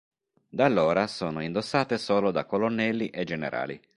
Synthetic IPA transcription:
d̪alːoːɾasoːnoind̪osːaːt̪esoːlod̪akːolonːɛlːiʔed͡ʒenḛɾʔa̰ːlḭ

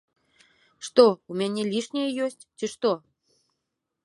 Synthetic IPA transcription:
ʃt̪oumʲenʲelʲiʃnʲejəjosʲtʲtəʃt̪o

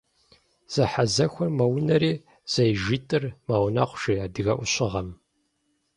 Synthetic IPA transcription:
z̥ɐħazɐxʷɔrmɐwnɐɾiː | z̥ɐjʒitʼɨrmaːwna̰qʷʊʒ̥iaːdɨɣɐʔʷʊɕʼɪʁɐm

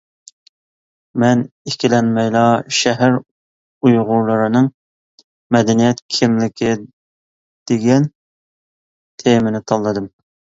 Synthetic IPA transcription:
mɛnekʲilɛnmɛjlˠɑʃɛɦæɾ | ujʁʊɾlˠɨɾɨnɨŋ | mɛd̪ɛnijɛt̪kʲʰɪmlɪkʲʰɪ | d̪̥eɡʲɛn | t̪ʰemɪnɪt̪ʰɑlˠːɨd̪ɨm

